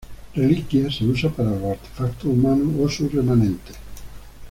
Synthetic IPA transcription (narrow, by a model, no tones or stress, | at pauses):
relikjaseusapaɾaloaɾt̪e̥fakt̪oumanuosuremanent̪e̥